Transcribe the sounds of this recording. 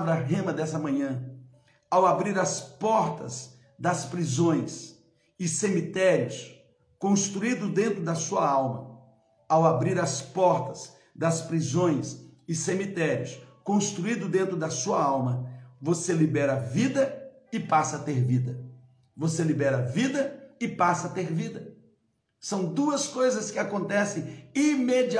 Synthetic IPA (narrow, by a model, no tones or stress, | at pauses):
vɾɐɦẽmɐd̪ɛsɐmɐ̃ɲɐ̃ | awabɾiɾɐspɔɾt̪ɐz | d̪ɐspɾizõj̃s | ɪsemit̪ɛɾiʊs | kõst̪ɾuid̪ʊd̪ẽnt̪ɾʊd̪ɐsuɐawmɐ | awabɾiɾɐspɔɾt̪ɐz | d̪ɐspɾizõj̃sɪsemit̪ɛɾiʊ̰skõst̪ɾuid̪ʊd̪ẽnt̪ɾʊd̪ɐsuɐawmɐvoselibɛɾɐvid̪ɐ | ɪpasɐat̪eɾvid̪ɐ | voselibɛɾɐvid̪ɐɪpasɐːt̪eɾvid̪ɐ | sɐ̃w̃d̪uɐskojzɐskɪakõnt̪ɛsẽj̃imed͡ʒi